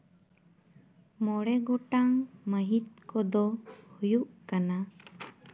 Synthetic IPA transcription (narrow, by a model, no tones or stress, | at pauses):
mɔɽɛɡɔʈaŋməɦit̪̚kɔd̪ɔhujuʔkana